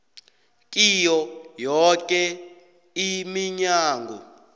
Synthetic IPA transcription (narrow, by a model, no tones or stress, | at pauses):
kʼijɔjɔkʼɛ | imiɲaːŋɡʱɔ̰